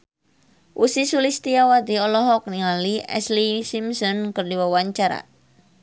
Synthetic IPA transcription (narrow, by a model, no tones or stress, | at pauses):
ʔusisulist̪iawad̪iɔlɔɦɔk̚niŋaliɛ̰slisimsɔnkərdiwawaɲt͡ʃaɾa̰